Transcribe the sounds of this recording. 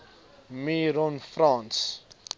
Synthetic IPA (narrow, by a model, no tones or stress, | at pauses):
miɾɔ̃nfrãns